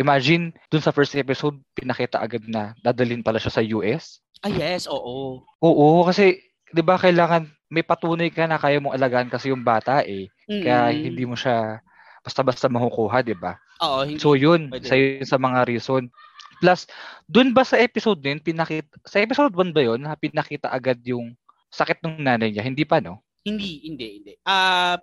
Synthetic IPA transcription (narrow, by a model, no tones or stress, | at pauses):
ʔɪmaːd͡ʒɪnd̪ʊnsɐfɛɹst̪ʔɛpɪsod̪̚pɪnɐkiːt̪ɐ̰ʔɐɡad̪̚nɐd̪aːd̪ɐlɪnpɐlaʃasɐjuːʔɛs | ʔajɛsoːʔo | ʔoːʔokɐsɛ | d̪ɪbakɐjlaːŋɐn | mɐjpɐt̪uːnɐjkɐnɐkaːjɐmoŋʔɐlɐɡaʔankɐsɛjʊŋbaːt̪ɐʔɛ | kɐjahɪnd̪iːmoʃa | b̥ɐst̪abɐst̪amɐhʊkuːɦɐd̪ɪba̰ | oʔosojonsɐjonsɐmɐŋaɾiːso̞n | plasd̪ʊnbɐsɐʔɛːpɪsod̪̚nɐjonpɪnɐkiːt̪̚sɐʔɛːpɪsod̪̚bɐnbɐjo̞nɐpɪnɐkiːt̪ɐ̰ʔɐɡad̪̚jʊŋ | sɐkɪt̪̚nʊŋŋnaːnɐjɲahɪnd̪iːpɐno̞ | hɪnd̪ihɪnd̪ɛɪnd̪ɛʔa